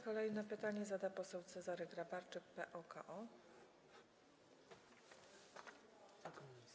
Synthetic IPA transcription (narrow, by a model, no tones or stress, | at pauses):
kɔlɛjnɛpɘt̪aɲɛzad̪apɔsɛwt̪sɛzaɾɘɡɾabaɾt͡ʂɘkpɛʔɔka̰ʔɔ